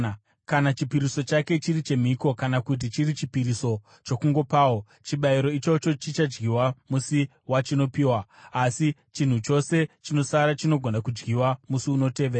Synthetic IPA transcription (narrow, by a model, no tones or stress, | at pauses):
kanat͡ʃipiɾiso̞t͡ʃake̞t͡ʃiɾit͡ʃe̞m̤iko̞kanakut̬it͡ʃirit͡ʃipiɾiso̞ | t͡ʃo̞kuŋɡo̞paːwo̞ | t͡ʃiɓaiɾo̞it͡ʃo̞t͡ʃo̞t͡ʃit͡ʃad͡ʒɡiwamusi | wat͡ʃino̞piːwaːsit͡ʃin̤ut͡ʃo̞se̞t͡ʃino̞saɾat͡ʃino̞ɡʱonakud͡ʒɡiwamusiuno̞te̞ːʋeːɾaa